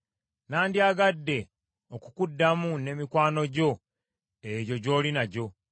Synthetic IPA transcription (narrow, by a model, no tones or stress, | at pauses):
naːndiaɡadːe̞ | okukudːamune̞ːmikwaːno̞ɟo̞ | eɟo̞ɟo̞ːlinaɟo̞